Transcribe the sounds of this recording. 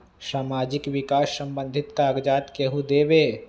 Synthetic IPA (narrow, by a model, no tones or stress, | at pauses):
saːmaːd͡ʒɪkʋɪkaːsːɐ̃mbə̃nd̪ʱɪt̪kaːɡd͡ʒaːt̪keɦud̪eːʋeː